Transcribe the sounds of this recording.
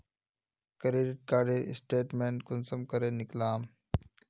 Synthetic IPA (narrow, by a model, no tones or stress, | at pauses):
kɾeːɖɪʈ̚kaːɖeɪ̰sʈeːʈmẽːnkʊnsəmkəɾeːnɪklaːm